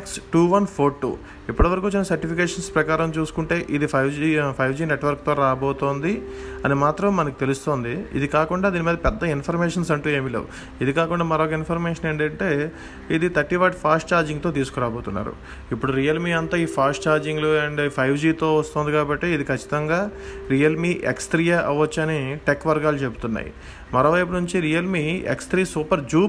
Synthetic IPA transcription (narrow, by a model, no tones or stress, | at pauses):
ksʈuːʋɐnpʰoːɾʈːṵː | ipːɐɽɐʋɐɾɐkuːt͡ʃinɐsɐɾʈipʰikeːʂɐnspɾɐkaːɾɐmt͡ʃuːsu̥kuɳʈe̞ːʔid̪ipʰɐjʋd͡ʒipʰɐjd͡ʒiːne̞ʈʋɐɾkt̪o̞ːɾaːboːt̪oːnd̪iɐnimaːt̪ɾɐmːɐnɐk̬i̥t̪elust̪oːnd̪iḭd̪ikaːkuɳɖaːd̪iːnimiːd̪ɐpɛd̪ːɐinpʰɐɾmeːʂɐnsɐɳʈuːe̞ːmilḛːʋṵ | id̪ikaːkuɳɖaːmɐɾoːkɐinpʰɐɾmeːʂɐneːɳɖɐɳʈeː | id̪it̪ɐɾʈːiʋaːʈpʰaːsʈt͡ʃaːɾd͡ʒiŋɡt̪o̞ːt̪iːsu̥kuɾaːboːt̪unːa̰ːɾṵ | ipːuɽuɾijɐlmiːɐnt̪aːiːpʰaːsʈt͡ʃaːɾd͡ʒiŋɡloɐɳɖpʰɐjʋd͡ʒiːt̪o̞ːʋɐst̪oːnd̪ikaːbɐʈːeːid̪ikʰɐt͡ʃːi̥t̪ɐŋɡaːɾijɐlmiːʔḛksʈ̪ɾijaʔɐʋɐt͡ʃːɐniʈekːʋɐɾɡaːlut͡ʃepu̥t̪unːa̰ːjḭ | mɐɾo̞ːʋɐjp̬unuɲt͡ʃiɾijɐlmiːḛkst̪ɾiːsuːpɐɾd͡ʒuːp